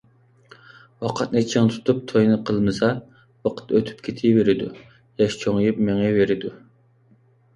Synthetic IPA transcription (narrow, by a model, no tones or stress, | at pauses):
wɑqʰɑt̪̚net͡ʃʰiŋt̪ʰu̥t̪ʰup̚t̪ʰojnɨqʰəlˠmɨsɑ | bɑqʰə̥t̪øt̪ʰy̥p̚kʲʰet̪ʰɪveɾɪd̪ṵ | jɑʃt͡ʃʰoŋjupmeŋɛveɾɪd̪u